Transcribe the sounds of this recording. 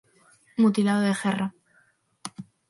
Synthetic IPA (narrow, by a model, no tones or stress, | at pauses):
mut̪ilaðoðexera